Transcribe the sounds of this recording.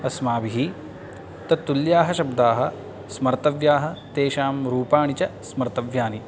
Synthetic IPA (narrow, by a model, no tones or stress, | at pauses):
ɐsmaːbiɦi | t̪ɐt̪ːuljaːɦɐʃɐbd̪aːɦɐ̆ | smɐɾt̪ɐʋjaːɦɐ̆t̪eːʃaːmɾuːpaːɳit͡ʃɐsmɐɾt̪ɐʋjaːni